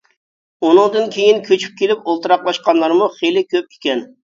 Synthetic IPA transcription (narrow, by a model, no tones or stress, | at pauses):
unɨŋd̪ɨnkʲʰejinkʲʰøt͡ʃʰy̥p̚kʲʰelɪpolˠt̪ɨɾɑq̚bˠɑʃqɑnlˠɑɾmuχejlɪkʲøp̚ʲi̥kʲɛn